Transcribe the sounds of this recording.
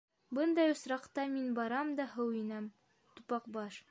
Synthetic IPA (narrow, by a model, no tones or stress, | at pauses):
bɤnd̪ɑjŏsɾɑqt̪ɑminbɒɾɑmd̪ɒɦɤwinæm | t̪upɑqbɑʃ